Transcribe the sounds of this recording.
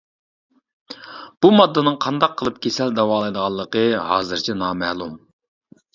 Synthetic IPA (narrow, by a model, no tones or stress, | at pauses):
b̥umɑd̪ːɨnɨŋqʰɑnd̪ɑqʰːəlˠɨp̚kʲʰesæld̪ɑwɑːlˠɨjd̪əʁɑlˠːəqəɦɑ̰ːzɨɾt͡ʃʰɛnɑːmɛhlˠum